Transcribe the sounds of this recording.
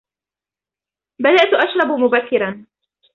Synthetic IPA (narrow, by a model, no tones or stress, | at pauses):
bad̪aʔt̪ʔaʃɾˤɑbmʊbakːɪɾan